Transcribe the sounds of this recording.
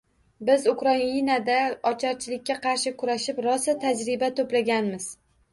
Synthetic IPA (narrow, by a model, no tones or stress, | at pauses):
bɪzʊkɾainad̪aɒt͡ʃʰɒɾt͡ʃʰɪlɪkʲʰːaqʰɑɾʃɪkʰʊɾaʃɪpɾɒsɪt̪ʰad͡ʒɾɪbat̪ʰoplaɡʲanmɪz̥